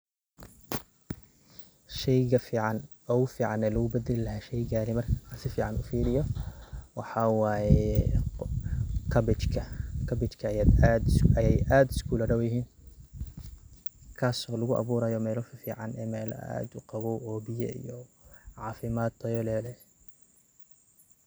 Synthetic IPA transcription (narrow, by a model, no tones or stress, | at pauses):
ʃɛjɣɐfiːʕɑn | ɔʊfiːʕɑnɛːlɐɣʊbɛd̪ɛlɪlɐɦaːʃɛjɡaːlɪmɐrkʰasɪfiːʕɑnʔʊfiːlɪjɔwɑħɑwaːjɛ | kʰɐbɪt͡ʃkʰɐkʰɐbɪt͡ʃkʰɐjaːd̪ad̪ɐjɛjaːd̪ɪ̥skʰuːlɐɽɐwjɪɦiːn | kʰaːsɔːlɐɣʊʔɑ̰βuːɾɐjɔmɛːlɔfɐfiːʕɑnɛ̰ːmɛːl̰a̰ːd̪ʊqɑβɔːʔɔːbɪjɛ̰ḭjɔʕɑːfɪmaːd̪t̪ʰɐjɔlɛːlɛ